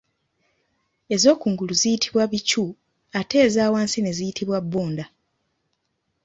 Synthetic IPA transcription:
e̞zo̞ːkuːŋɡuluzijitʰiβwaβicu | ate̞ːzaːwaːnsine̞zijitʰiβwabːoːnda

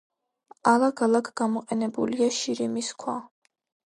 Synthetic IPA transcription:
alˠakʰalˠakʰɡ̥amɔqʼɛnɛbuliaʃiɾimiskʰwa

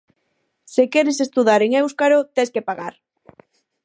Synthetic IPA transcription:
sekɛɾɪsest̪uð̞aɾeŋewskaɾot̪eskepaɣaɾ

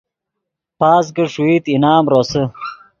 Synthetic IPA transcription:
paːs̬ɡəʂuiːt̪inaːmɾosə

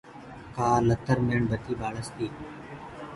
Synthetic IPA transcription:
kaːlət̪ːəɾmeːɳbət̪iːbaːɽəst̪iː

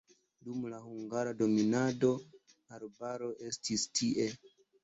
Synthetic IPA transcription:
dumlahuŋɡaɾado̞minado̞ | aɾbaɾo̞ʔe̞stistʰiʔe̞

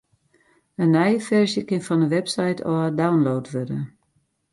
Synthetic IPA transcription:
ənːɛjəfɛrsjəkɪnfɔndəʋɛpsɛjtʰɔədawnloːtʋødə̰

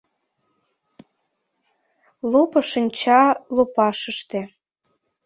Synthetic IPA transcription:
lopɤ̆ʃənʲt͡ɕɑlopɑʃəʃt̪e

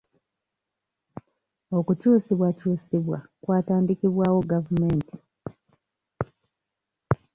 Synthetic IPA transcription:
o̞kucuːsiβwacuːsiβwa̰kwaːtaːndikiβwaːwo̞ɡavume̞ːnti

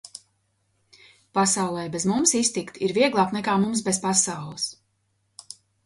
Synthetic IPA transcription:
pasawlˠɛjbɛzmumsist̪ikt̪iɾviɛɡlˠaːknɛkaːmumsbɛzpasawlˠəs

